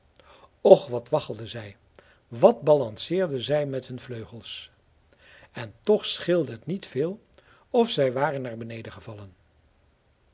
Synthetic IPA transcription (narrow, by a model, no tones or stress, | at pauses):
ɔχʋɑtʋɑχəlˠdəzɛj | ʋɑtbɑlɑnsɪːɹdəzɛjmɛtɦɵnvløɥχəlˠs | ɛntɔχsχɪlˠdəɦətnitfɪːlˠ | ɔfsɛjʋaːrənːaːɹbənejdəχəvɑlˠən